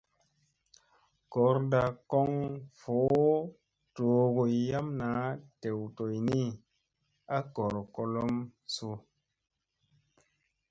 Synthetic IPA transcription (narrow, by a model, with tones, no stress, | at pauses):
kɔ˨˦ɾda˨kɔ˦ŋfo˨˦ | to˨ɡo˨ja˦mna˨˦te˨wto˨jni˦ | a˦kɔ˨ɾko˧lo˦msu˧